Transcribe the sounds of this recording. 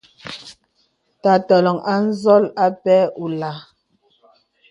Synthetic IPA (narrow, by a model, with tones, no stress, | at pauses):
ta˨tɔ˨lɔ˨ŋa˦n̩˦zɔ˦la˦pɛ˦u˨la˨